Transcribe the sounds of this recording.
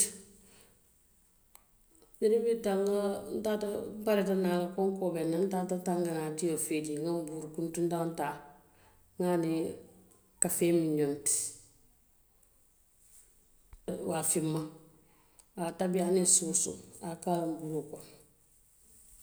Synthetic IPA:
ɲinibitaŋɡan̩tatabaɾetanakoŋkobenːan̩tatataŋɡanatijofediŋambuɾkuntun̩tantaː | ŋani | kafeːmiɲonti̥ | wafimːa | atabianisuːsṵakaɾumbuɾukon

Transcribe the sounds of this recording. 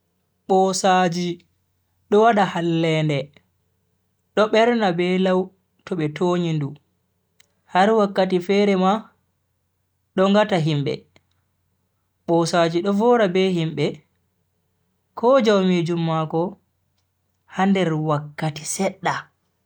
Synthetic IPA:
ɓɔsad͡ʒi | ɗɔwaɗahalːɛndɛ | ɗɔɓɛɾnabɛlaw | tɔɓɛtʰoːɲindu | haɾwakːatifɛɾɛma | ɗɔŋɡataɦimɓɛ̰ | ɓɔsad͡ʒiɗɔvɔːɾabɛhimbɛ | kʰɔd͡ʒawmiːd͡ʒumːakɔ | handɛɾwakːati̥sɛɗːa

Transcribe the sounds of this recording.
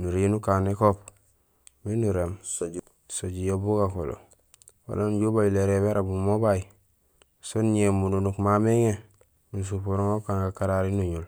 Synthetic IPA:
nuɾinukanekop | minuɾem | soɟijobuɡakolo̰ | wo̰lonɟubajileɾebeɾabumobai | sonɲemununukmameŋe | nus̬upoɾoŋokaŋɡakaɾaɾinuɲul

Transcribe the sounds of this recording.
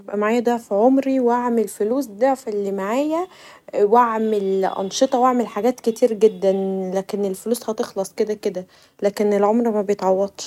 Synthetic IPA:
ebʔæmaʕaːjæd̪æʕfiʕomɾiwaʕmelfoluːsd̪æʕfelːimaʕaːjæ | weʕmelʔɑ̰nʃet̪ˤɑwaʕmelħaɡæːt̪ket̪iːɾɡed̪ːænlæːkenelfoluːshɑt̪exlɑsˤked̪æked̪æ | læːkenelʕomɾmæbejet̪ʕɑwːɑd̪ˤʃ

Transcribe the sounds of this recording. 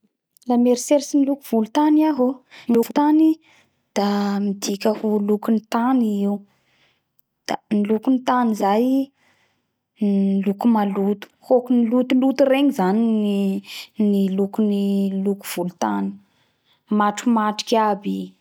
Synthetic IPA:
lameɾiseɾisinilukuv̥ulut̪aniaɦout̪ani | d̪̥amid̪ikʲəhulukunit̪aniiu | d̪̥anilukunit̪anizaj | lukumalut̪u̥hokunilut̪ulut̪ureŋizaniinilukuniluku̥v̥ulut̪ani̥ | maʈ͡ʂumaʈ͡ʂi̥kʲiabi

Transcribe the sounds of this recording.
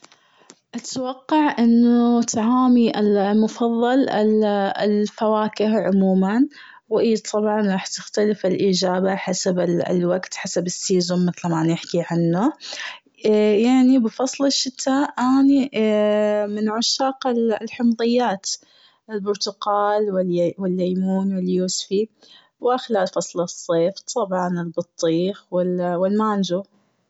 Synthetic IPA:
ʔat̪wɑqːɑʕʔɪnːʊt̪aʕaːmiʔalmʊfɑðˤːɑlɪɪlfawaːkɪhʕʊmuːman | wʔiːt̪ˤʰɑbʕɑnɾˤɑːħt̪ɪxt̪alɪfɪlʔiːd͡ʒaːbaħasabɪ̰lwaɡt̪ħasabɪsːiːzʊmːɪθlamanɪħkiʕanːʊ | jaʕnibɪfɑsˤlɪʃːɪt̪ʰːaːʔʔaːni | mɪnʕʊʃaːqɪllħʊmðˤɪjːaːt̪ | ɪlbʊɾt̪ʊqɑːlwɪlwɪlːajmuːnwɪljuːsfi | wɪxɪlaːlfɑsˤlɑsˤːeːft̪ˤʰɑbʕɑnɪlbɨt̪ˤːiːxwɪlwɪlmaːnd͡ʒu

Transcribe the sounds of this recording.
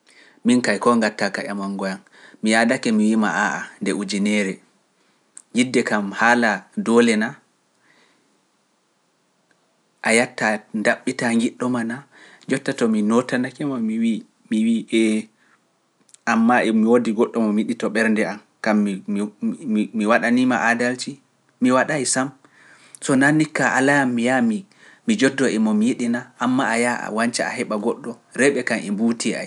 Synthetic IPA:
minkajkɔŋɡatːakaʔamaŋɡɔjan | mijadakɛmiwimaʔaʔandɛud͡ʒinɛɾɛ | ɡidːɛkamhaːladɔlɛna | ʔajatːandaɓːitaŋɡiɗːɔmana | d͡ʒɔtːatɔminɔtanakɛmamiwi | miwiʔɛ | amːaɛmiwodiɡɔɗːɔmɔmjiɗitɔɓɛɾndɛam | kam | miwaɗanimaʔadalt͡ʃi | miwaɗajsam | sɔnanːikːaʔa̰lajamːijami | mid͡ʒɔdːɔɛmɔmijiɗinaʔːmːaaja̰waɲt͡ʃaa̰ɦɛɓaɡɔɗːɔ | ɾɛɓɛkanɛ̰mbutia̰j

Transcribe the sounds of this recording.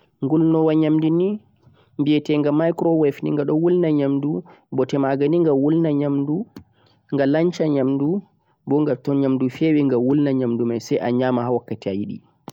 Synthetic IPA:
ŋɡulnɔwaɲamdini | mbiɛtɛŋɡamajkɾɔwɛfnḭŋɡaɗɔwulnaɲamdubɔtɛmaɡaniŋɡawulnaɲamdu | ŋɡalaɲt͡ʃaɲamdu | bɔŋɡatɔnɲamdufewɛŋɡawulnaɲamdumajsɛjʔa̰ɲaːmahawakːatiajiɗḭ

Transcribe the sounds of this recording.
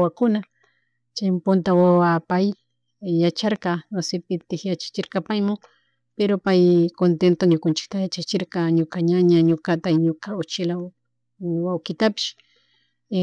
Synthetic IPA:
wakʊna | t͡ʃampʊnt̪awawapajː | at͡ʃaɾqɑwasɪpɪt̪ɪxjat͡ʃḁt͡ʃɪɾqɑpajmʊ | peɾopajkont̪ent̪oɲokʊnt͡ʃɪ̥k̚t̪ajat͡ʃat͡ʃɪɾqɑɲokaɲaɲaɲokat̪ajɲokaʊt͡ʃɪla | wawkɪt̪apɪ̥ʃ

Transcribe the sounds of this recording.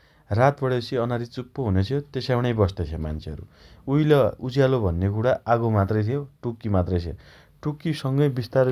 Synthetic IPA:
rat̪bʌɽesiʌnaɾit͡supːoɦunet͡sʰijot̪esawɽ̃ʌjbʌst̪et͡sʰema̰nt͡sʰeʌ̰ɾṵ | ujlʌud͡zjalobʱʌnːek̬uɽaʔaɡomat̪rʌjt̪ʰijoʈukːimat̪rʌjt͡sʰḛ | ʈukːisʌŋɡʌjbist̪aɾ

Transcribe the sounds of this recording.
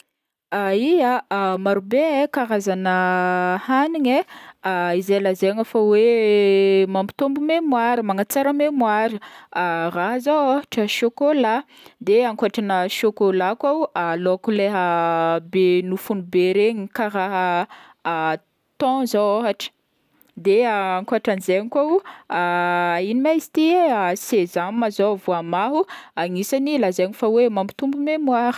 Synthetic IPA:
aiamaɾubekaɾazanəhaniɲeaizelazeaŋafawe | mambi̥t̪ombumemwaɾimaŋat͡saɾəmemwaɾiaraɦəzawaɦaʈ͡ʂəʃokola | d̪eaŋkaʈ͡ʂanəʃokolakaalokuleɦəbenufunubeɾeɲikaraɦə | t̪ɔ̃zowoɦaʈ͡ʂə̥ | d̪eaaŋkoaʈ͡ʂanizeɲikʷawainimajzit̪isezammazovuamaɦuaŋisanilazaɲifawemambi̥t̪umbumemwaɾə̥

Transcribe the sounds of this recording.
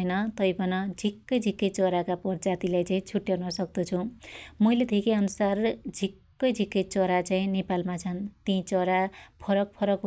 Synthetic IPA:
jnʌt̪ʌjbʌnʌd͡zʱikːʌjd͡zʱikːʌjt͡sʌɾakapʌrd͡zat̪ilajt͡saĩt͡sʰuʈːjawnʌsʌk̚d̪ʌt͡sʰũmʌjlet̪ʰikiʌnusard͡zʱikːʌjd͡zʱikːʌjt͡sʌɾat͡saĩnepalmat͡sʰʌnt̪ĩt͡sʌɾapʰʌɾʌk̚pʰʌɾʌkɦ

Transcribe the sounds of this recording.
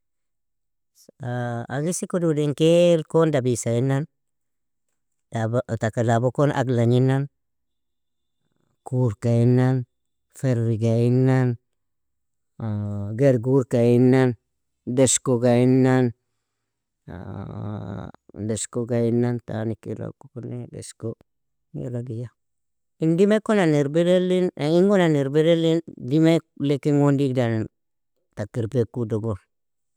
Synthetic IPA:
aaɡisikodudeŋkelkondabisainan | t̪akalabokonʔa̰ɡlaɲinan | kuɾkainan | feɾɾiɡainːan | ɡeɾɡuɾkainan | deskoɡainːan | deskoɡainːant̪a̰nikḭla̰kuknedḛsko | ɡḛlaɡija | indimekonaneɾbeɾelinaiŋɡonaneɾbeɾelindimelekiŋondik̚dan | takiɾpekudoɡoɾ

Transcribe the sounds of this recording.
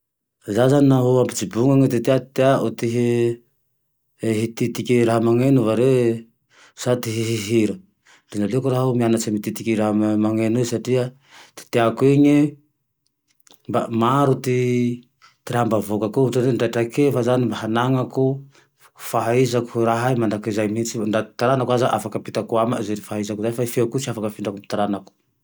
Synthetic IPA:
zazaniaɦuampit͡ʃibuŋaŋet̪et̪eat̪t̪eaʔut̪iɦi | ɦit̪it̪ikiɾaɦamaŋenuvaɾe | sat̪iɦiɦiɦiɾa | linaliokuɾaɦumianasemit̪it̪ikiɾaɦamaŋenusaʈ͡ʂia | t̪i̥t̪eakueɲe | mbamaɾut̪i | t̪iɾambavokakuutoneɳɖ͡ʐaʈ͡ʂakefazanimbaɦanaŋaku | faɦaizaku̥ɾaɦaimaɳdakizajmit͡siɳɖ͡ʐat̪i̥t̪aɾanakwazaʔafakapit̪akuamazeɾifaɦaizakizajfaifekusiafakəfiɳɖ͡ʐakumit̪aɾanaku̥

